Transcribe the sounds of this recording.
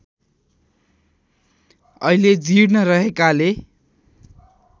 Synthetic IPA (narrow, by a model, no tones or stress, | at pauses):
ʌiled͡ziɽnʌrʌɦekale